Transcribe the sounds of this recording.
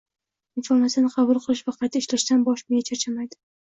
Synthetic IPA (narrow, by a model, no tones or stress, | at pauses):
ɪnfoɾnat̪sjanɪqʰɑbʊlˠqʰɨlˠɪʃvaqʰɑjt̪ʰaɪʃlaʃt̪anbɒʃmejat͡ʃʰat͡ʃʰamajd̪ɪ